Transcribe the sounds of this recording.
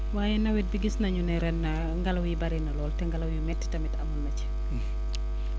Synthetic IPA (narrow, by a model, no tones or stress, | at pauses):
waːjɛnɐwɛt̚biɡisnɐɲunɛɾɛnɐ | ŋɡɐlɐwjibɐɾinɐlɔːltɛŋɡɐlɐwjumɛtːtɐmitɐmɐlmɐc